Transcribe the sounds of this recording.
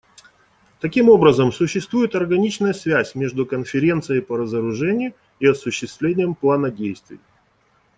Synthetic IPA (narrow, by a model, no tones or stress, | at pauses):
t̪ɐkʲimo̞bɾəzəmsʊɕːɪst̪vujɪt̪ɐrɡɐnʲit͡ɕnəjəsvʲæsʲmʲe̞ʐd̪ʊkənfʲɪɾʲe̞nt̪sɨjəjpəɾəzəɾʊʐɛnʲɪjʊ | iɐsʊɕːɪst̪vlʲenʲɪjəmplˠanədʲejst̪vʲɪ̰j